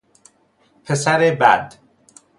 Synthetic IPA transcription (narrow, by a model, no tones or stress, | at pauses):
pʰesæɾebæ̰d̪